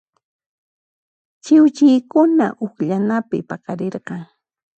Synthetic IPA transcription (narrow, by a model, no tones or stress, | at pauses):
t͡ʃɪwt͡ʃɪjkʊna̰ʔʊkʎanapɪ̰pakaɾeɾɢɑŋ